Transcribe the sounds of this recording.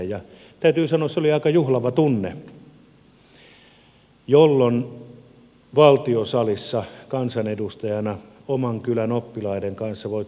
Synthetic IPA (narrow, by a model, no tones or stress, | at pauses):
jɑ | t̪æˑyt̪yːsɑnoːseoliɑˑikɑjuhlɑʋɑt̪unːḛ | jolːon | ʋɑlt̪iosɑlisːɑkɑnsɑnedust̪ɑjɑnɑ | omɑŋkylænopːilɑˑideŋkɑnsːɑʋoˑi